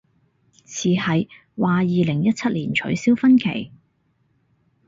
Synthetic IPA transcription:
t͡sʰiː˨˩hɐ˨j | waː˨˧jiː˨lɪ˨˩ŋjɐ˥t̚t͡sʰɐ˥t̚liː˨˩nt͡ʃʰɵ̰˨˥ɥsiː˥wfɐ˥nkʰḛ˨˩j

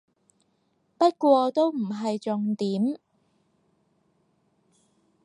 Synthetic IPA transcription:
pɐ˥t̚kʷɔː˧t̪o˥wm̩˨˩ɦɐ˨jt͡sʊ˨ŋt̪iː˨˥m

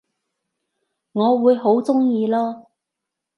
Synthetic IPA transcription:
ŋɔː˨˧wuː˨˧jɦo˨˥wt͡sʊ˥ŋjiː˧lɔː˥

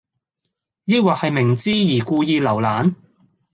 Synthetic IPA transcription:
jiː˥waː˨k̚hɐ˨jmɪ˨˩ŋt͡siː˥jiː˨˩kuː˧jiː˧lɐ˨˩wlaː˨˥n

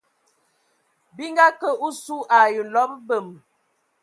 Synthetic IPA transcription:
bi˦ŋɡa˦kə˦u˦su˦ʔa˨jə˨n̩˨lɔ˦pbə˨m˨

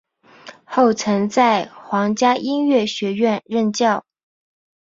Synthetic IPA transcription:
xo˥˩ʊt͡sʰɤ˧˥ŋt͡sa˥˩ɪxwɑ˧˥ŋt͡ɕja˥ʔi˥nɥɛ˥˩ɕɥɛ˧˥ɥɛ˥˧nɻə˥˧nt͡ɕjɑ˥˩ʊ

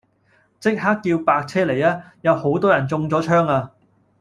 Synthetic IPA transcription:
t͡sɪ˥k̚ɦaː˥kːiː˧wpaː˧k̚t͡sʰɛː˥le˨˩jaː˦˥ | jɐ˨˧who˨˥wt̪ɔː˥jɐ˨˩nt͡sʊ˧ŋt͡sɔː˨˥t͡ʃʰœː˥ŋaː˧

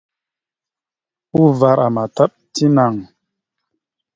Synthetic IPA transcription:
u˦va˧ɾa˨ma˨ta˦ɓ̚ | ti˦na˨ŋ

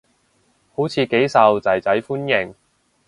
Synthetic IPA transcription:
ho˨˥wt͡sʰiː˧ke˨˥jsɐ˨wt͡sɐ˨jt͡sɐ˨˥jfuː˥njɪ˨˩ŋ

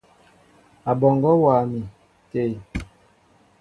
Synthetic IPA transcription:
a˨bɔ˨ŋɡɔ˦wa˨mi˨ | te˦˨

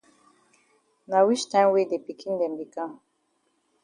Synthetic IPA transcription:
na˨wi˦t͡ʃtã˦mwe˦de˨pi˨kʰĩ˦ndɛ̃˨mbi˨kã˦

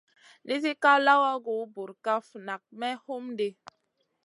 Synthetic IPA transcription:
nʔi˦zi˦ka˦la˦wa˦ɡo˨˦bu˨ɾka˦fu˨na˨k̚mɛ˦ho˦mde˦

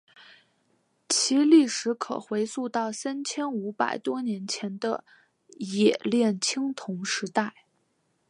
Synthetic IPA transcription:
t͡ɕʰi˧˥li˥˩ʂɻ̩˧˥kʰɤ̰˨˩xwe˧˥ɪsu˥˧t̪ɑ˥˩ʊsa˥nt͡ɕʰjɛ˥nu˧˥pa̰˨˩ɪt̪wɔ˥njɛ˧˥nt͡ɕʰjɛ˧˥nd̪ə̰˧ | jɛ˨˩ljɛ˥˩nt͡ɕʰi˥ŋt̪ʰʊ˧˥ŋʂɻ̩˧˥t̪a˥˩ɪ

